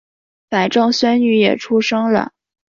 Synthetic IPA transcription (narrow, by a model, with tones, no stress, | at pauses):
fa˨˩ɪʈ͡ʂɤ˥˩ŋɕwɛ˥ny˧˥jɛ̰˨˩ʈ͡ʂʰu˥ʂɤ˥ŋlə̰˨